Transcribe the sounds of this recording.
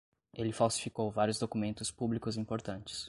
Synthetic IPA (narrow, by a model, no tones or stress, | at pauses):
elɪfawsi̥fikowvaɾjʊzd̪okumẽnt̪ʊspublikʊzĩpoɾt̪ɐ̃nt͡ʃɪ̥s